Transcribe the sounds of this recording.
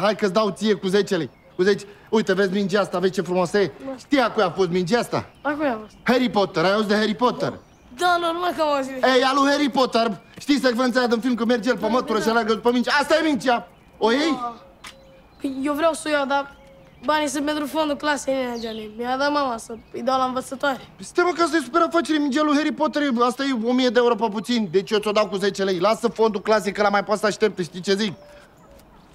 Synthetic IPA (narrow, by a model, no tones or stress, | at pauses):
ɦajkɐzd̪aut̪iekuzet͡ʃɐli | kuzet͡ʃ | ojt̪ɐvezmĩnd͡ʒast̪avet͡ʃɐfɾmɔsɐeʃt̪iakujafozmĩnt͡ʃɛst̪ɐ̰akujavɔshɛɾipɔt̪eɾauzd̪ɐheɾipɔt̪ḛɾ | nɐ̃w̃nɐ̃w̃nɐ̃w̃ɛkɐwɔziɛjaluheɾipɔt̪eɾʃt̪isɐkfɾɐ̃ns̬ad̪ɐ̃filmk̬omɛɾd͡ʒelpɐmɐt̪̚p̪uɾɐʃɐlɛɡɐzpɐmĩnt͡ʃasemĩnt͡ʃia | ojej | kewvɾewsojad̪a | banis̬epẽnt̪ɾufõnd̪uklasiknead͡ʒanemiad̪amãwasəid̪awlãvət̪sɐt̪aɾɐst̪eməkast̪əjsu̥peɾafat͡ʃiɾemind͡ʒialuheɾipot̪eɾeast̪ajeomijəd̪eewuɾopap̬ut̪sind̪et͡ʃijotsod̪awkuzet͡ʃelejlasəfond̪uklasikəlamajpasaʃt̪ep̚t̪əʃt̪it͡ʃezik